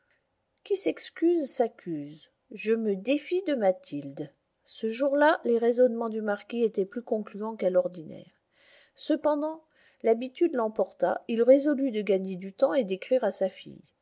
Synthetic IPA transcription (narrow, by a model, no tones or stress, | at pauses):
kʲisɛkskʲyzsakʲʰyz | ʒəməd̪efid̪əmat̪ʰild̪ | səʒuʁlaleʁezɔnmɑ̃d̪ymaʁkʲiet̪ɛplykɔ̃klyɑ̃kalɔʁd̪inɛ̰ːʁ | səpɑ̃d̪ɑ̃ | labit̪yd̪lɑ̃pɔʁt̪a̰ilʁezɔlyd̪əɡaɲed̪yt̪ɑ̃ed̪ekχiʁasafḭj